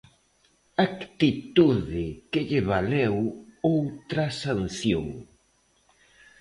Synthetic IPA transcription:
akt̪it̪uðɪkeʎɪβalewowt̪ɾasanθjo̰ŋ

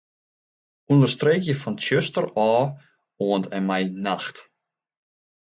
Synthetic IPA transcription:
undərstrekjəfɔnʃøstəɾɔː | oəntɛmajnaxt

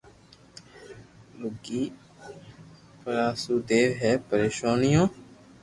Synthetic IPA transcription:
lʊɡiː | pəɾaːsuːd̪eːʋɦɛːpəɾeːʃaːnɪjõː

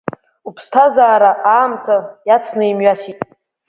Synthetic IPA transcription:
upʰstʰazaːɾaʔaːmtʰajat͡sʰnɨimɥasitʼ

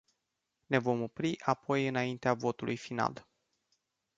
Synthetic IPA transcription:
ne̞vo̞mo̞pɾiʔapo̞jɨnaint̪eavo̞t̪ulujfina̰l

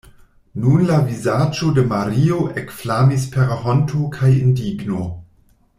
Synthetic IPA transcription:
nunlavizad͡ʒodemaɾioʔekflamis̬peɾɦontʰokʰajindiɡno

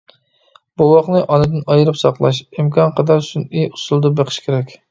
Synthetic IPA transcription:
b̥uwɑχnɨʔɑnɨd̪ɪnɑjɨɾɨpsɑqlˠɑʃimkʰɑnqɑd̪ɑɾsunijusulˠd̪ɨbeqʰɨ̥ʃkʲʰeɾɛkʲ

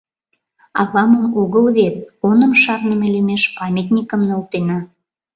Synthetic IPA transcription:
ɑβɑməmoɣəlβet̪̚onəmʃɑrnəmelymeʃpɑmʲet̪nʲikəmnolt̪enɑ

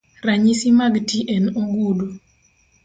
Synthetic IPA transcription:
raɲisimaɡtiʔenoɡudo

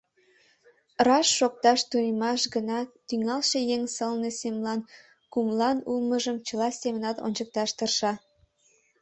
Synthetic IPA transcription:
rɑʃːok̚t̪ɑʃt̪unʲəmɑʃɡənɑt̪yŋɑlʃejeŋsəlnesemlɑn | kumlɑnulməʒəmt͡ɕəlɑsʲemənɑt̪o̰nʲt͡ɕək̚t̪ɑʃt̪ərʃɑ

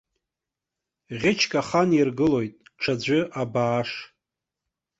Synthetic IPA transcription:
ʁʲɪt͡ʃʰkʼaχanirɡɨlo̞jtʼʈ͡ʂʰad͡ʑʷʏʔabaːʂ

